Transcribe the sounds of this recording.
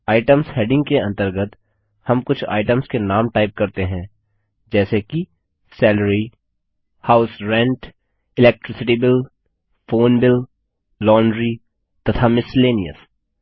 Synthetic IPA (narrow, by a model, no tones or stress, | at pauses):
aːɪʈəmsheːɖɪ̃ŋɡkeɐ̃nt̪əɾɡət̪ | hɐmkʊt͡ʃʰa̰ːɪʈəmskenaːmʈaːɪp̚kɐɾt̪eɦɛ̃ː | d͡ʒɛːseki | sɛːləɾi | haːʊsɾɛ̃ɳʈ | ɪlɛːk̚ʈɾɪsɪʈibɪl | foːnbɪl | lɔːɳɖɾi | t̪ɐt̪ʰamɪsleːniə̰s